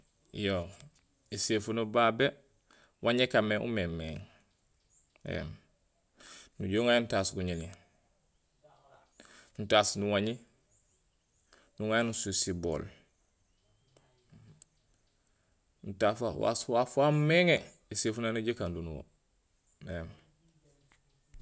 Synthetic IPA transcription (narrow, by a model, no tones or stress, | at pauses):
jo | esefunubaːbe | wʔaɲekameʔṵmemeːŋ | ḛm | nuɟoŋajntaːsɡuɲini | nutaːsnuwaɲi | nuŋajnususibo̰ːl | n̩tafawa̰swafammeŋe | esefunanuɟikandunuwo̰ | em